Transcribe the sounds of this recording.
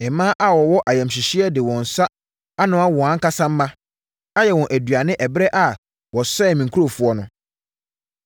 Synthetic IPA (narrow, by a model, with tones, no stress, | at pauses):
ɛ˨mãː˦ʔa˨wɔ˨wɔ˦ʔa˨jɛ̃˨mɕɪ˨ɕi˦ɛ˦dɪ˨wɔ̃˨n̩˨sa˦ | a˦nʊ̃˦a˦wɔ̃˨ã˦ŋ̩˦ka˦sã˦m̩ː˦mã˦ | a˦jɛ˨wɔ̃˨ʔæ˨dɥa˨nɪ̃˦ʔɛ˨bɾɛ˦ʔa˨ | wɔ˨sɛː˦˨mĩ˨ŋ˨kʰu˦o˨fʊ˦ɔ˦nʊ̃˨